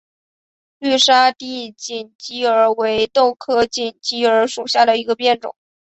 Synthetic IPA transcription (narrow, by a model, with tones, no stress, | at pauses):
ly˥˩ʂa˥t̪i˥˧t͡ɕi˨˩nt͡ɕi˥ə˞˧˥we˧˥ɪt̪o˥˩ʊkʰɤ˥t͡ɕi˨˩nt͡ɕi˥ə˞˧˥ʂu˨˩ɕja˥˩d̪ə˩i˧˥ɡə˧pjɛ˥˩nʈ͡ʂʊ̰˨˩˦